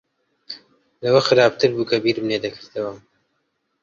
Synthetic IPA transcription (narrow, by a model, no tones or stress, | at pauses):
lɐwɐxɨɾaːb̚t̪ʰɨɾbuːkʰɐbiːɾmneːd̪ɐkʰɨɾt̪ʰɐwɐ